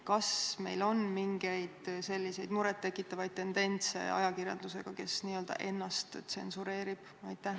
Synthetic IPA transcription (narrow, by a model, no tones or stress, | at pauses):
kɑsme̞̰jlo̞nmiŋɡ̥e̞jd̪̥se̞lʲːise̞jd̪̥muɾɛt̪ːe̞kːˑit̪ːˑɑvɑjd̪̥̚t̪ːe̞nd̪e̞nʲt̪se̞̰ɑ̰jɑkirjɑ̰ld̪̥use̞̰ɡ̥ɑke̞sniːø̞ld̪̥ɑ̰ʔe̞nːɑst̪t̪se̞̰nsuɾe̞ːɾib̥ɑjt̪ːæh